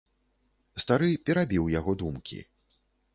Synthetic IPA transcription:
st̪aɾɨpʲɛɾabʲiwjaɣɔd̪umkʲḭ

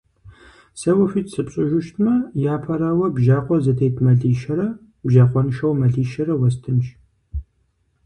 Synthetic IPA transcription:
sɐwɐfitsɨpɕʼɪʒʷʊʃtʰmɐjaːpʰɐɾaːwɐbʒaːqʷʼɔzɐtʰejtʰmɐɮiːʃɐɾɐ | bʒaːqʷɔnɨʃɐwmɐɮiːʃɐɾɐwɐstʰɨmʃ

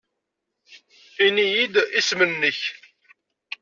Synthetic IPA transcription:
inijid̪ismənnəç

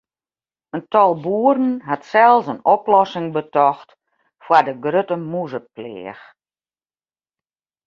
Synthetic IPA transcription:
əntɔlˠbuəɾn̩ɦatsɛlˠsənɔplɔsɪŋbətɔxt | fwadəɡrøtəmuzəplɪ̰ːx

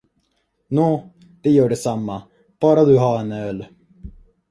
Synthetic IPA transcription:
nuː | d̪̥ɛjœːɖɛsamːa | b̥ɑːɾad̪ɵɦaɾɛnœːl

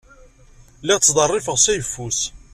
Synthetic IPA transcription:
lɪʁt̪sːd̪ˤɑrˤːɪfəʁsæjəfːus

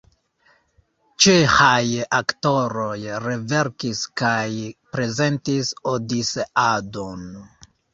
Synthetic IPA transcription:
t͡ʃexajakto̞ɾo̞jɾe̞ve̞ɾkiskajpɾe̞ze̞ntisodiseʔado̞n

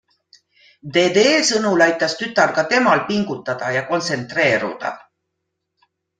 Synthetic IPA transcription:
d̪e̞ːd̪e̞ːlsɤnulɑjt̪ːˑɑst̪yt̪ːˑɑrkɑt̪e̞mɑlpiŋɡ̥ut̪ːˑɑd̪̥ɑjɑko̞nt̪se̞nt̪re̞ːɾṵd̪̥ɑ̰

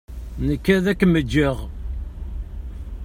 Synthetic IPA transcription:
nəkːæðækːməd͡ʒːəʁ

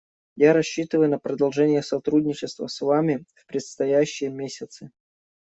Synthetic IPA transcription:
jaɾɐɕːit̪ɨvəjʊnəpɾəd̪ɐlˠʐɛnʲɪjəsɐt̪ɾudʲnʲɪt͡ɕɪst̪və̰svamʲɪfpɾʲɪt̪st̪ɐjæɕːɪjəmʲesʲɪt̪sɨ

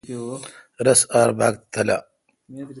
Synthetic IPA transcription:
ɾɐsaːɾba̰ːkt̪ʰɐla̰

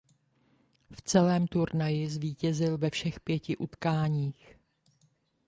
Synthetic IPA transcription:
ft͡sɛlɛːmt̪uɾnajɪzviːcɛzɪlvɛfʃɛxpjɛcɪʔut̪kaːɲiːx

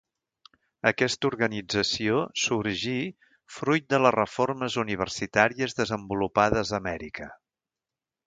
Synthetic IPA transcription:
əkɛst̪uɾɣənid͡zəsiosuɾʒi | fɾujt̪̚d̪ələrəforməzuniβ̞ərsit̪aɾiəzðəzəmbulupaðəzəmɛɾikʰə

